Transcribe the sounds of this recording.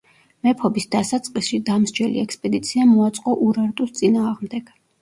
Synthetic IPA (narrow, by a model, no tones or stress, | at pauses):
mɛpʰɔbisd̪asat̪sʼqʼisʃid̪amzd͡ʒɛlḭɛkspʼɛd̪it̪sʰiamɔat̪sʼqʼɔʔuɾaɾt̪ʼust̪sʼinaːʁmd̪ɛɡ̥